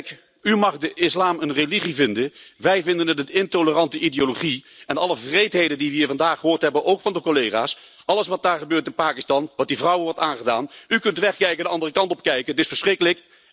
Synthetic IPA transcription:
ymɑχdəʔɪslaːmənreliχivɪndənʋɛjvɪndənətətɪntolərɑntəʔidejoloχiɛnɑləvrejtɦejdəndiʋəiːɹvɑndaːχəɦʊːɹtɦɛbənʔowkfɑndəkolejχa̰ːs | ɑlˠəs̬ʋɑt̚daːɹχəbøːɹtɪnpaːkɪstɑnʋɑt̚divrʌwəʋɔɹtaːnχədaːnykɵntəʋɛχkɛjkəndəɑndərəkɑntɔp̚kɛjkətɪsfəɹsχrɪkələk

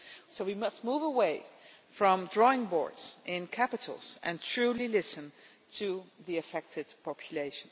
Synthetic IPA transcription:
soʊwimʌst̚muvəweɪ | fɹʌ̃mdɹɔɪ̃ŋbɔ̰ɹdz̥ʔɪ̃nkʰæpɨtʰl̩ˠz̥ʔɨ̃ntʰɹ̥ʉlilɪsɨ̃n | tʰɨðiɨfɛk̚tɨd̥̚pʰɑpʰjɨleɪʃn̩

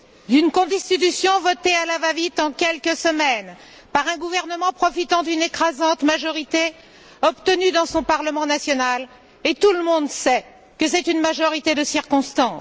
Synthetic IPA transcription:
d̪ynkɔ̃d̪ɛst̪it̪ysjɔ̃vɔt̪ealavavit̪ɑ̃kʲɛlkəsəmɛn | paʁɛ̃ɡuvɛʁnəmɑ̃pχɔfit̪ɑ̃d̪ynekχazɑ̃t̪maʒɔʁit̪e | ɔpt̪ənyd̪ɑ̃sɔ̃paʁləmɑ̃nasjɔnal | et̪uləmɔ̃d̪sɛ | kəs̬ɛt̪ynmaʒɔʁit̪ed̪əsiʁkɔ̃st̪ɑ̃

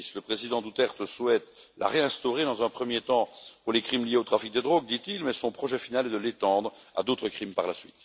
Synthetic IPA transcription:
sləpχezid̪ɑ̃d̪ut̪ɛʁt̪əswɛt̪lʔa̰ʁeɛ̃st̪ɔʁed̪ɑ̃zɛ̃pχəmjet̪ɑ̃puʁlekχimlijeot̪χafik̚d̪ed̪ʁoɡ̚d̪it̪ilmɛsɔ̃pχɔʒɛfinalɛd̪əlet̪ɑ̃d̪ʁa̰d̪ot̪χəkχimpaʁlasɥḭt̪

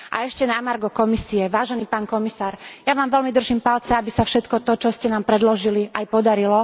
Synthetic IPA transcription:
ʔa̰ɛʃcɛnamaɾɡɔkɔmisiɛʋaːʒɛniːpaːnkɔmisaːɾjaʋaːmʋɛlmid̪r̩ʒimpalt͡sɛabisafʃɛt̪kɔt̪ɔt͡ʃɔscɛnaːmpɾɛd̪lɔʒiliʔajpɔd̪aɾilɔ

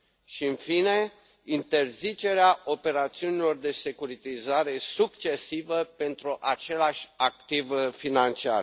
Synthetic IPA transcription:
ʃiɨnfine̞ | int̪e̞rzit͡ʃe̞ɾeaʔo̞pe̞ɾat̪siunilo̞rd̪e̞se̞kuɾit̪izaɾe̞sukt͡ʃe̞sivəpe̞nt̪ɾuʔat͡ʃe̞laʃʲak̚t̪ivfinant͡ʃia̰r

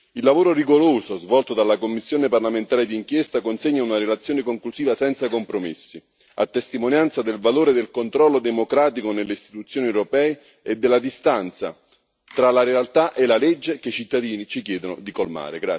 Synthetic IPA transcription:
ilːavoːɾoriɡoɾoːsozvɔlt̪od̪alːakomːisːjoːneparlament̪aːɾed̪iːŋkjɛst̪akonseɲːaunaɾelat̪sːjoːnekoŋklusiːvasɛnt̪sakompɾomḛsːi | a̰t̪ːest̪imonjant̪sad̪elvaloːɾed̪elkont̪ɾɔlːod̪emokɾaːt̪ikonelːeist̪i̥t̪ut̪sːjoːniewɾopɛːe | ed̪ːelːad̪ist̪ant̪sa̰ | t̪ɾalaɾealt̪aʔelːaled͡ʒːekeit͡ʃit̪ːad̪iːnit͡ʃikjɛːd̪onod̪ikolma̰ːɾeɡɾa

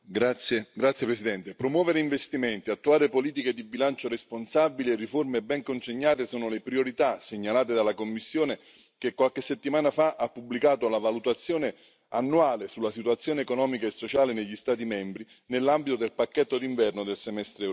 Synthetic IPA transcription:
ɡɾat̪sːjepɾesid̪ɛnt̪epɾomwɔːveɾeiɱvest̪iment̪iat̪ːuaːɾepoliːt̪iked̪ibilant͡ʃoɾesponsabilierːiformebɛŋkont͡ʃeɲːaːt̪esoːnolepɾioɾit̪aseɲːalaːt̪̬ed̪alakomːisːjoːne | kekːwalkesːet̪ːimaːnafaʔapːubːlikaːt̪olavalut̪at̪sːjoːne | anːuaːlesulːasit̪uwat̪sːjoːneːkonɔːmikaesːot͡ʃaːleneʎːist̪aːt̪̬imɛmbɾi | nelːambit̪od̪elpakːɛt̪ːod̪iɱvɛrnod̪elsemɛst̪ɾe

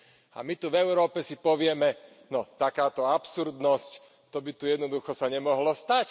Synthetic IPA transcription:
a̰mit̪uvɛʊɾɔːpɛsipɔʋɪɛmɛ | nɔt̪akaːt̪ɔapsuɾd̪nɔsc | t̪ɔbit̪ujɛd̪nɔd̪uxɔsaɲɛmɔɦlɔst̪ac

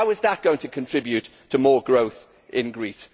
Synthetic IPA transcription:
ʊɪzðəʔ̚ɡ̥oʊɪ̃ŋtʰəkʰə̃ntʰɹ̥ɪbjʉtʰəmɔːɡɹoʊθ | ʔɪ̃nɡɹiˑs

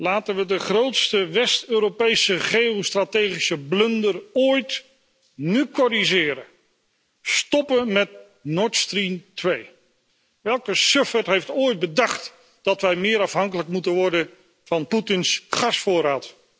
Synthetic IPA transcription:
laːtənʋədəχrowtstəʋɛstøːɾopejsəχejostratejχisəblɵndəroːjt | nykɔɾizɪːɾə | stɔpəmɛt | nɔɹtstrimtʋej | ʋɛlˠkəsøfɛtɦejftoːjd̚bədɑχt | d̥ɑtʋɛjmɪːɾɑfɦɑŋkələkmutənʋɔɹdən | v̥ɑnputɪnsχɑsfʊːɾaːt

